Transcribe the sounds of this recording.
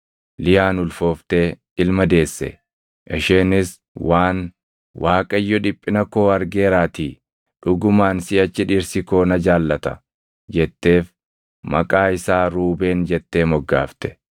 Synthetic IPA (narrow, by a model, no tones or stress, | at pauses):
lɪjaːnʊlfo̞ːft̪eː | ɪlmɐd̪e̞ːsːɛ̰ | ʔɛʃeːnɪs | waːn | wʔaːkʼɐɪjːɔᶑɪpʼːɪnɐko̞ːɐɾɡeːɾaːt̪iː | ᶑʊɡʊmaːnsɪɐt͡ʃːɪᶑiːɾsɪko̞ːnɐd͡ʒaːlːɐt̪ɐ̰ | d͡ʒɛt̪ːe̞ːf | mɐkʼaːɪsaːɾuːbe̞ːnd͡ʒɛt̪ːe̞ːmɔɡːa̰ːft̪ɛ̥